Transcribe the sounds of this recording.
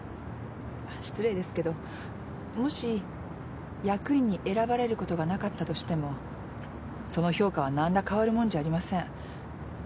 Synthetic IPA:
aɕi̥t͡sɨɾeid̪e̞sɨ̥ke̞d̪o̞ | mo̞ɕi | jakɯ̟ĩɲ̟ːiʔe̞ɾabaɾe̞ɾɯ̟ko̞t̪o̞ɡanakat̪ːat̪o̞ɕi̥t̪e̞mo̞ | so̞no̞ço̞ːkaβ̞anãnd̪akaβaɾɯ̟mõ̞ɲd͡ʑaːɾʲimasẽ̞ŋ

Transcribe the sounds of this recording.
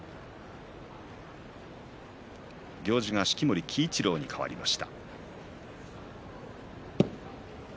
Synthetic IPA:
ɡʲo̞ːʑiɡaɕi̥kʲimoɾʲikʲʰiːt͡ɕiɾo̞ːɲ̟ikʰaβa̰ɾʲimaɕi̥t̪a̰

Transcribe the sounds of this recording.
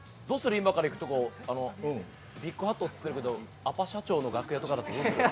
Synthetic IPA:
d̪o̞ːsɨɾɯ̟imakaɾaikɯ̟t̪o̞ko̞ːanõ̞ | bʲikːɯ̟ɦat̪ːoːt͡sɨ̥eɾɯ̟ke̞d̪o̞ | apaɕat͡ɕo̞ːno̞ɡakɯ̟jat̪o̞kad̪at̪ːed̪oː

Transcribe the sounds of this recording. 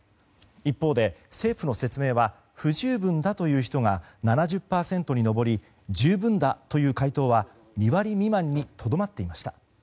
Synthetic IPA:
ipːo̞ːd̪e̞se̞ːɸɯno̞se̞t͡sɨme̞ːβa | ɸɯ̟ʑɨːbɯ̟̃nd̪at̪o̞jɯ̟ːçi̥t̪o̞ŋananaʑɨpːaːsẽ̞nt̪o̞ɲ̟ino̞bo̞ɾʲi | d͡ʑɨːbɯ̟̃nd̪at̪o̞jɯ̟ːkait̪o̞ːβa | ɲʲiβaɾʲimʲimãɲ̟ːit̪ʰo̞d̪o̞mat̪ːe̞imaɕi̥t̪ḁ

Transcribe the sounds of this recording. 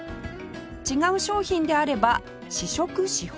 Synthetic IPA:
t͡ɕiɡaɯ̟ɕo̞ːçĩnd̪e̞aɾe̞ba | ɕiɕo̞kɯ̟ɕih

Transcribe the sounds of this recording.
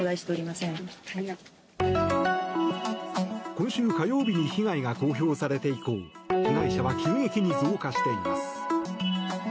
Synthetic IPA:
od̪aiɕi̥t̪e̞oɾʲimasẽ̞ɴ | kõ̞ɰ̃ɕɨːkajo̞ːbʲiɲ̟içiɡaiɡako̞ːç̬ʲo̞ːsaɾe̞t̪e̞iko̞̰ːçiɡaiɕaβakʲĩŋɡe̞kʲiɲ̟izɨokaɕi̥t̪e̞imasɨ̥ɨ̥

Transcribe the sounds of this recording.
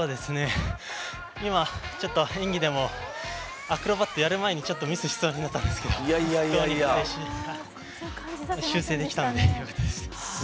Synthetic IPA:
soːd̪e̞sɨne̞ | imat͡ɕo̞t̪ːo̞ẽ̞ŋɡʲid̪e̞mo̞ | akɯ̟ɾo̞bat̪ːe̞jaɾɯ̟mae̞ɲ̟it͡ɕo̞t̪ːo̞mʲisɨɕi̥t͡sɨmaɲ̟inat̪ːãnd̪e̞sɨ̥ke̞d̪oaaoaieɕiha | ɕɨːse̞ːd̪e̞kʲit̪and̪eɯkot̪od̪es

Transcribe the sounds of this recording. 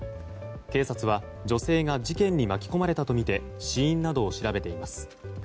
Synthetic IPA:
ke̞ːsat͡sɨβa | d͡ʑo̞se̞ːɡad͡ʑikẽ̞ɲ̟ːimakʲi̥ko̞maɾe̞t̪at̪o̞mʲit̪e̞ | ɕiĩnːad̪o̞ːɕiɾabe̞t̪e̞imasɨ̥

